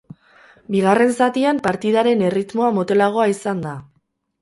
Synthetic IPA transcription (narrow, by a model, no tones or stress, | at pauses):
biɣ̞are̞nsat̪iampaɾt̪iðaɾe̞ne̞rit̪mo̞amo̞t̪e̞laɣ̞o̞aisand̪a